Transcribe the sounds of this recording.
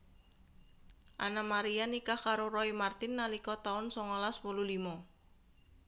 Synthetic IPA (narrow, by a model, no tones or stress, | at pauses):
ʔa̰namaɾianikakaɾorɔimart̪ɪnːalikɔt̪aʊnsɔŋɔlaspululimɔ